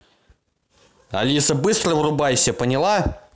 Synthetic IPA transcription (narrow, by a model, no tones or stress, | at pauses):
ɐ̰lʲisəbɨst̪rəvrʊbajsʲəpənʲɪlˠa